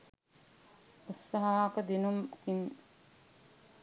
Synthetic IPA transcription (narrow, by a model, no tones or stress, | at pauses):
usːɐɦakəd̪inumkin